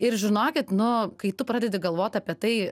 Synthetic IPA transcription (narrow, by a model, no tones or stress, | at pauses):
ɪɾʒʲɪnoːkʲɪt̪nʊkɐɪt̪ʊpɾɑːdʲɛd̪ʲɪɡɐlˠʋoːt̪ʲɐpʲiɛt̪ɐɪ